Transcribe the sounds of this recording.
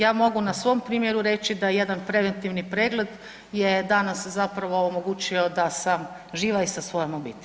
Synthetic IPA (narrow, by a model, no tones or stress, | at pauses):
jaːmo̞ɡunasʋo̞mpɾiːmjeɾuɾe̞t͡ʃid̪aje̞d̪anpɾe̞ʋent̪iʋnipɾe̞ːɡle̞d̪ | jed̪anaszapɾaʋo̞ːmoɡuːt͡ʃio̞d̪asam | ʒiːʋaisasʋo̞jomobḭt̪i